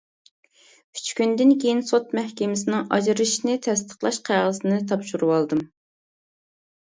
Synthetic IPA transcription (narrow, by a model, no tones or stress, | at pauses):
kʲʰy̥t͡ʃkʲynd̪ɪnkʲejinsot̪mɛhkʲɪmɪsɪnɪŋʔɑ̰d͡ʒɾɨʃnɨt̪ʰɛst̪ʰə̥χlˠɑʃqʰæʁəsɨnɨt̪ʰɑpʃuɾuwɑlˠd̪ɨm